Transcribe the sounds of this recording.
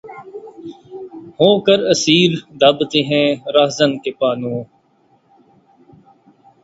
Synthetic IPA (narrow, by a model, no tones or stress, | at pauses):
hoːkəɾəsiːɾd̪ab̪t̪eːɦɛ̃ːɾaɦzənkɪpaːnõː